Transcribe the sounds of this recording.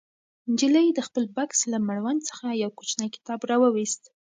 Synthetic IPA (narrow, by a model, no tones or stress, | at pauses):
nd͡ʒilajed̪əxpəlbakslamaɽwant͡sə̥xajawkot͡ʃnəjkɪ̥t̪ɑbɾɑwəwist̪